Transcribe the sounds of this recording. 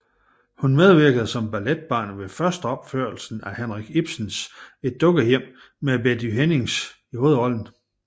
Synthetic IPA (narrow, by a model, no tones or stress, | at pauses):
hunmeð̞ˠʋiɐɡ̥əð̞̩ˠsɒ̽mb̥æled̥̚b̥ɑ̈ːnʋe̝fɶɐsd̥əɒ̽b̥fø̰ɐ̰l̩sn̩æhenʁaɡ̥ib̥sn̩se̝d̥̚ːɔ̽ɡ̥ɐjem̰ | mebed̥yɦene̝ŋs | iho̝ːð̞̩ˠɒ̽ln̩